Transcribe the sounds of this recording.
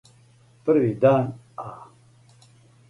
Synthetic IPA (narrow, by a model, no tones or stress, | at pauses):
pɐɾwid̪aːn | aː